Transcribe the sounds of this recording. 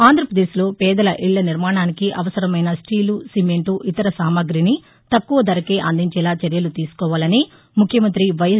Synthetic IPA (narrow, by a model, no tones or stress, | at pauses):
aːnd̪ʱɾɐpɾɐd̪eːslo̞ːpɛːd̪ɐlɐʔiɭːɐniɾmaːɳaːnikiʔɐʋɐsɐɾɐmɐjnɐsʈiːlusimeɳʈuʔit̪ɐɾɐsaːmɐɡɾini | t̪ɐkːuʋɐd̪ɐɾɐke̞ːʔɐnd̪iɲt͡ʃɛːlaːt͡ʃɐɾjɐlut̪iːsu̥kɔːʋaːlɐni | mukʰjɐmɐnt̪ɾiʋɐj